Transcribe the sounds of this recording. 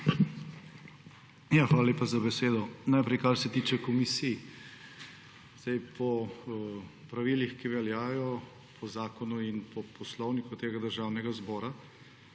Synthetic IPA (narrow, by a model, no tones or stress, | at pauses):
jaxʋaːlaleːpazabɛseːd̪ɔnajpɾɛjkaɾsɛt̪iːt͡ʃɛkɔmisij | z̥ajpʰɔ | pɾaʋilixkiʋɛljaːjɔ | pʰɔzaːkɔnuinpʰɔpʰɔslɔwnikut̪eːɡad̪əɾʒawnɛɡazbɔːɾa